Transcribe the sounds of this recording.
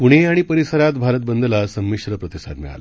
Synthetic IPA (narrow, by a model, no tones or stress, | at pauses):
puɽ̃eaɽ̃ipəɾisəɾat̪bʱaɾət̪̚bənd̪əlasəmːiɕɾəpɾət̪isa̰t̪miɭa̰l